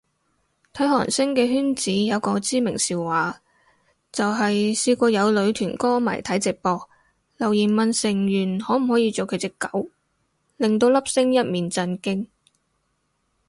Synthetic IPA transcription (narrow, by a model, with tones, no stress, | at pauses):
t̪ʰɐ˨˥jɦɔ̰ː˨˩nsɪ˥ŋkɛː˧ɦyː˥nt͡siː˨˥jɐ˨˧wkɔː˧t͡siː˥mɪ˨˩ŋsiː˨wwaː˨˥ | t͡sɐ˨wɦɐ˨jsiː˧kʷɔː˧jɐ˨˧wlɵ˨˧ɥt̪ʰyː˨˩nkɔː˥ma̰˨˩jt̪ʰɐ˨˥jt͡sɪ˨k̚pɔː˧k̚ | lɐ˨˩wjiː˨˩nmɐ˨nsɪ˨˩ŋjyː˨˩nhɔː˨˥m̩˨˩hɔː˨˥jiː˧t͡so˨wkʰɵ˨˧ɥt͡sɪ˧kːɐ˨˥w | lɪ˨ŋt̪̬o˧wlɐ˥p̚sɪ˥ŋjɐ˥t̚miː˨nt͡sɐ˧nkɪ˥ŋ